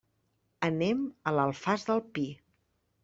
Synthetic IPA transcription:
ənemələlˠfazðəlˠpi

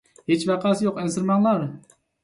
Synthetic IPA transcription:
het͡ʃvæqʰɑsjoqɪnsɨɾmɑŋlˠɑɾ

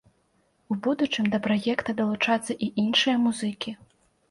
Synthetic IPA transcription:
ubud̪ut͡ʂɨmd̪ɐpɾajɛkt̪ɐd̪ɐlˠut͡ʂat̪sːɐʔiʔinʂɨjɐmuzɨkʲi

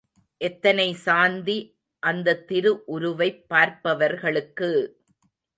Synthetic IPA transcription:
ʔɛt̪ːɐnɐɪsaːnd̪i | ʔɐnd̪ɐt̪ːɪɾɯʔʊɾʊʋɐɪpːaːɾpɐʋɐɾɣɐɭɯkːɯ

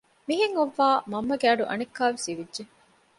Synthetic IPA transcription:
miɦeŋoʋːaːmɐmːɐɡeɐɖuʔɐ̰nekːaːʋesiʋidːʒe

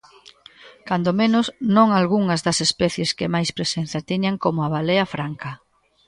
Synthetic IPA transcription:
kand̪omẽnʊsnõŋalɣuŋɐzðɐsespɛθjeskɪmajspɾesen̟θjat̪iɲaŋkomoaβaleɐfɾaŋkɐ

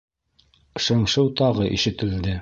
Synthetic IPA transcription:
ʃɤ̆ɴʃɤwt̪ɑʁɤʔḭʃɘ̆t̪ɘ̆ld̪ɘ

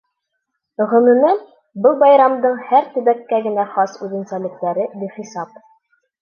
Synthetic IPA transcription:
ʁɤ̆nɤ̆nɤ | bɤlˠbɑjɾɑmd̪ɤɴhæɾt̪ɘ̆bækːæɡɘ̆næχɑsʉðɘ̆nsælɘ̆k̚t̪æɾɘb̪iχisɑp̚

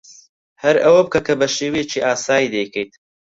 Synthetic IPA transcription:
hɐɾɐwɐb̚kɐkʰɐbɐʃeːwejet͡ʃʰiːʔaːsaːjid̪ejkejt̪

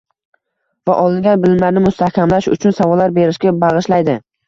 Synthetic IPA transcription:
vaʔɒlˠɪŋɡʲanbɪlɪmlaɾnɪmʊst̪ʰahkʲamlaʃʊ̰t͡ʃʰʊnsavɒlːaɾbe̞ɾɪʃkʲabɑʁɨʃlajd̪ɪ

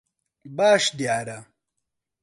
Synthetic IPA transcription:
baːʂd̪jaːɾa

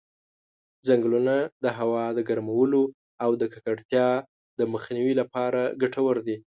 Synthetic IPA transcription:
zaŋɡlunad̪əɦawɑd̪əɡaɾmawəlo | awd̪əkakaɽt̪jɑ | d̪̥əməxniwilapɑɾaɡaʈʰawəɾd̪i

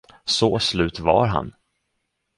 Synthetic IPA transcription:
soslʉ̟ːt̪va̰ɾɦa̰n

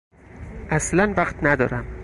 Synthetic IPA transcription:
ʔæslænvæqt̪næd̪ɒ̰ːɾæm

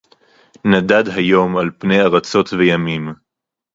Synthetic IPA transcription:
nadadɦajo̞malpnejaʁat͡so̞tvejamim

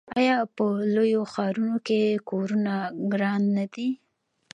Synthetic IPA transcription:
ɑjɑpəlojoxɑɾunokekoɾunaɡɾɑnːad̪i

